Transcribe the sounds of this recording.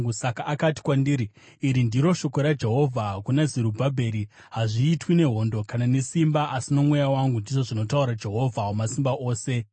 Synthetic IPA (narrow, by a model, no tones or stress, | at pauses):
usakaʔakati̥kwandiɾi | iɾindiɾo̞ʃo̞koɾad͡ʒe̞ɦo̞vʱakunazeɾubʱabʱe̞ɾi | ɦaʐiːtwine̞ɦo̞ndo̞kanane̞simbaʔasino̞mwe̞jawaŋɡundiʐo̞ʐino̞tauɾad͡ʒe̞ɦo̞vʱaomasimbaʔoːse̞